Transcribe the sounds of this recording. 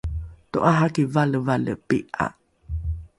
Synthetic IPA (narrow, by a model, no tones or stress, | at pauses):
to̰ʔaɦakivaləvalə̰peʔa̰